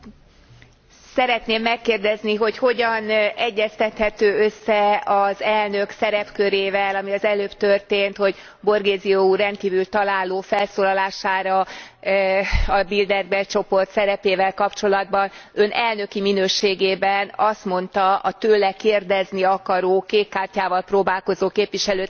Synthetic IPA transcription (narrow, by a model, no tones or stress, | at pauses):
sɛɾɛt̪neːmːɛkːeːrd̪ɛzniɦo̞cho̞ɟɒnɛɟːɛst̪ɛt̪hɛt̪øːøsːɛɒzɛlnø̞ksɛɾɛpkø̞ɾeːvɛlɒmiɒzɛløːpt̪ørt̪eːnt̪ho̞ɟ | bo̞rɡeːziourɛnt̪kiːvylt̪ɒlaːloːfɛlsoːlɒlaːʃaːɾɒ | ɒbild̪ɛrbɛt͡ʃo̞po̞rt̪sɛɾɛpeːvɛlkɒpt͡ʃo̞lɒd̪̚bɒnønʔɛlnø̞kiminøːʃeːɡeːbɛnɒst̪mo̞nt̪ɒɒt̪øːlɛkeːrd̪ɛzniɒkɒɾoːkeːkːaːrcaːvɒlproːbaːlko̞zoːkeːpʋiʃɛløː